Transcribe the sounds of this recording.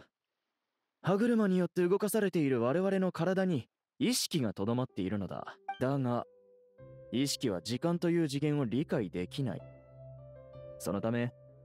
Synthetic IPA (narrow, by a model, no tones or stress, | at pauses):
haɡɯ̟ɾɯ̟maɲ̟ijo̞t̪ːe̞ɯ̟ɡo̞kasaɾe̞t̪e̞iɾɯ̟βaɾe̞β̞aɾe̞no̞kaɾad̪aɲ̟i | iɕi̥kʲiɡat̪o̞d̪o̞mat̪ːe̞iɾɯ̟no̞d̪a̰d̪aŋa | iɕi̥kʲiβ̞a̰d͡ʑikãnt̪o̞jɯ̟ːʑiɡẽ̞ɰ̃o̞ɾʲikaid̪e̞kʲina̰ḭ | so̞no̞t̪ame̞